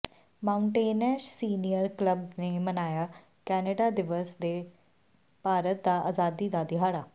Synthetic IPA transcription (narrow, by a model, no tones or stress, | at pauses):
maʊɳʈeːnɛʃsiːnijəɾkləbnemɐnaːja | kɛːnəɖad̪ɪʋəsd̪e | paːɾət̪̚d̪aa̰ːzaːd̪id̪ad̪ɪɦaːɽaː